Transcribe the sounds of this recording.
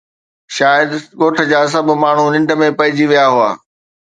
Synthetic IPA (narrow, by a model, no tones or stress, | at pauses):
ʃaːjəd̪ɠoːʈʰə̆d͡ʑaːs̬ɐbʱmaːɳ̤unɪ̃ɳɖmẽpɐɦɪd͡ʑiʋijaɦʊa̰ː